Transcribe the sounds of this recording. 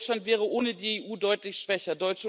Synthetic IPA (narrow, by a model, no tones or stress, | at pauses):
t͡ʃlantv̥ɛːʁ̞əʔoːnədiːeːʔuːdɔʏtlɪçʃv̥ɛçɐdɔʏt͡ʃə